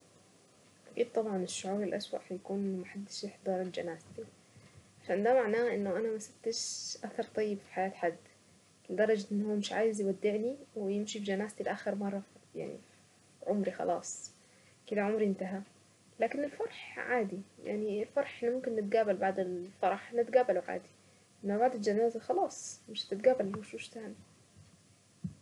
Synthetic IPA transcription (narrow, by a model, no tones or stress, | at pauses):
akiːb̚t̪ˤɑbʕɑnɪʃːʊʕuːɾɪlʔaswa̰ʔhajakuːnmaħad̪ːɪʃɪħd̪ˤɑːɾˤɪld͡ʒa̰naːst̪i | ʕaʃand̪amaʕnaːʔɪnːʊʔanamasat̪ːɪʃʔaθɑɾˤt̪ˤɑjːɪbfi̥ħajaːt̪ħad̪ː | lɪd̪ɑɾˤɑd͡ʒaʔɪnːɦuːmɪʃʕaːjɪzjwad̪ːɪʕniwɪjɪmʃibd͡ʒanaːst̪ilʔaːxɪɾmɑrˤːɑfja̰ʕnḭ | ʕʊmɾixɑ̰lʔɑ̰ːsˤ | kɪd̪aʕomɾiʔɪnt̪aɦa | laːkɪnɪlfɑɾˤħʕaːd̪ija̰ʕnilfɑɾˤħʔɪnːmʊmkɪnːɪt̪̚ɡaːbalbaʕd̪ɪlfɑɾˤɑħʔnɪt̪ɡaːbalwʕa̰ːd̪i̥ | ʔɪnmːabaʕd̪ɪld͡ʒanaːzaxɑlɑːsˤmɪʃt̪ːɪt̪̚ɡaːbalhuʃuːʃt̪aːni